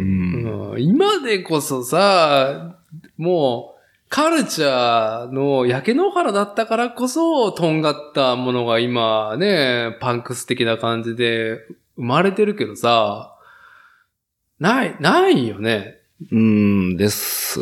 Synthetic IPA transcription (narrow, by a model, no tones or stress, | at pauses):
ɯ̃imad̪e̞ko̞so̞sa | moː | kʰaɾɯ̟t͡ɕano̞jake̞no̞haɾad̪at̪ːakaɾako̞so̞t̪õ̞ŋɡat̪ːamo̞no̞ɡaimane̞pãŋkɯ̟sɨ̥t̪e̞kʲinakãɲ̟d͡ʑid̪e̞ | ɯ̟maɾe̞t̪e̞ɾɯ̟ke̞d̪o̞sa | nainaijo̞ne̞ | ɯ̟̃ɴd̪e̞sɨ̰